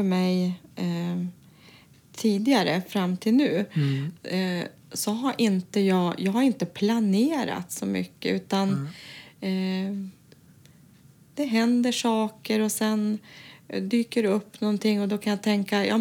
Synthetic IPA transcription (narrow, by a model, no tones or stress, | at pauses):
fœmɛj | t̪ʰiːd̪ɪɡaɾəfɾamːt̪ʰɪlnʉ̟ː | sɔɦaɾʔɪnt̪əjɑːɡjɑːɡhaɾɪnt̪əpʰlaneːɾa̰t̪sɔmʏ̰kːə̰ʉ̟ːt̪an | d̪̥ɛɦɛnd̪əʂɑːkəɾɔsɛn | d̪yːkəɾɵpːnɔnt̪ʰɪŋːɔd̪ɔkʰanjat̪ʰɛŋkːajʔɑ̰ː